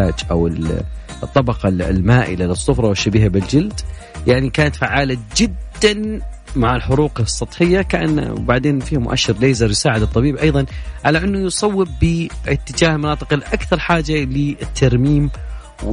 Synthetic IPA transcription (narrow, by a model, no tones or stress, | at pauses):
aːd͡ʒʔawɪl | t̪ˤːɑbɑqɑlmaːʔɪ̰lalɪsˤːʊfɾˤɑwɪʃːabiːhabɪld͡ʒɪld̪ | jaʕnikaːnat̪faʕaːlad͡ʒɪd̪ːan | maʕɪlħʊɾuːqsˤːɑt̪ˤħɪjːakaʔa̰n̰ːbaʕd̪eːnfiːhmʊʔa̰ʃːɪɾleːzɑɾˤjsaːʕɪd̪ɨt̪ˤːɑbiːbʔɑjðˤɑnʕalaʔɪnːʊjsˤɑwːɪbːiːɪt̪ːɪd͡ʒaːhlmɑnɑːt̪ˤɨqɪlʔakθɑɾˤħaːd͡ʒalɪɪt̪ʰːɑɾmiːm | w